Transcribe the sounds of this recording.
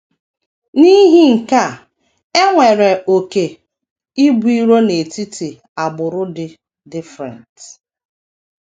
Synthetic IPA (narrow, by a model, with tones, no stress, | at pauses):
ni˦ɦi˦ŋ̩˨ka˦˨ | e˦ŋʷe˨ɾe˨o˨ke˨ | i˦bu˦i˦ɾo˦ne˨ti˦ti˨ | a˨bʊ˨ɾʊ˦dɪ˦ | dɪ˦fɾɛ̰˨nt